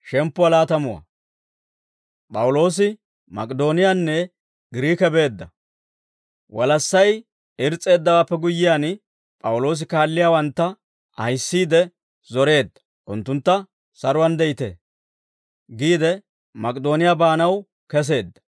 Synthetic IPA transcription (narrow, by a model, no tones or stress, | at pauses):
ʃɛmpːʊwɐlaːt̪ɐmʊwɐ̰ | pʼɐwʊlo̞ːsɪ | mɐ̰kʼd̪o̞ːnɪjanːɛ | ɡɪɾiːkɛbe̞ːd̪ːɐ | wɐlɐsːɐj | ɪɾt͡sʼe̞ːd̪ːɐwaːpːɛɡʊjːɪjaːn | pʼɐwʊlo̞ːs̬ɪkaːlːɪjaːwɐnt̪ːɐ | ʔɐjsːiːd̪ɛ | zɔɾe̞ːd̪ːɐ̥ | ʔʊnt̪ːʊnt̪ːɐ | sɐɾʊwɐnd̪ɛjɪt̪ḛː | ɡiːd̪ɛ | mɐkʼd̪o̞ːnɪjabaːnɐw | kɛs̬e̞ːd̪ːɐ̥